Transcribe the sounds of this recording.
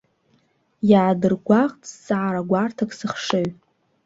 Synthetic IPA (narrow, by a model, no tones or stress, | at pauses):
jaːdɨrɡʷaʁt͡sʼsʼaaɾaɡʷartʰakʼsɨχʂeɥ